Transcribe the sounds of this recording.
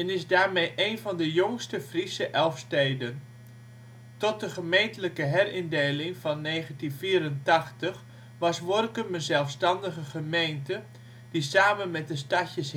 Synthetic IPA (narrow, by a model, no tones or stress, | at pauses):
ɛnɪsdaːɹmejʔeːnvɑndəjoŋstəfrisəʔɛlˠfstejdən | tɔt̚dəχəmejntələkəɦɛrɪndeːlɪŋvɑnːeːχəntinfiːɾəntɑχtəχ | ʋɑsʋɔrkəmənzɛlˠfstɑndəɣəχəmejntə | d̥isaːmənmɛt̚dəstɑcəs